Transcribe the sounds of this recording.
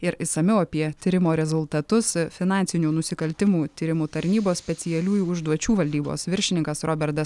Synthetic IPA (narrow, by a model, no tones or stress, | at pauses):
ɪɾɪsɐmʲɛʊɐpʲiɛt̪ʲiːɾʲɪmoːɾʲɛzʊlˠt̪ɐt̪ʊsfʲɪnɑnʲsʲɪnʲuːnʊsʲɪkɐlʲt̪ʲɪmuːt̪ʲiːɾʲɪmuːt̪ɐɾʲnʲiːboːssʲpʲɛt̪sʲɪjɛlʲuːjuːʊʒd̪uɔt͡ʃʲuːʋɐlʲd̪ʲiːbo̰ːsʋʲɪɾʲʃʲɪnʲɪŋkɐsɾʔoːbʲɛɾt̪ɐs